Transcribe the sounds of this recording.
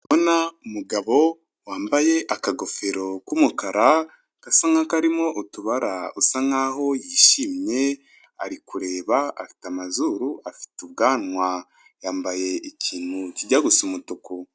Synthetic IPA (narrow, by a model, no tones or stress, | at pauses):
βonaumuɡaβo̞ | waːmbaje̞ʔakaɡo̞feɾo̞kumukaɾa | kasaŋakaɾimo̞ʔutuβaɾausaŋaho̞jiːʃiːmɲe̞ | a̰ɾikuɾe̞ːβaa̰fi̥tamazuɾuʔafi̥tuβɡaːnwa | jaːmbaje̞icʰiːn̥huciɟaɡusumutuku